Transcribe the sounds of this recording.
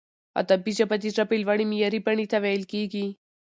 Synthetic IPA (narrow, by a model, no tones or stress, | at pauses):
ɐ̰t̪ɐbid͡ʒɐpɐt̪it̪ɾɐpilʋɐɽ̃imijɐɾipɐɳ̃it̪ʰɐʋeːlkiːɡi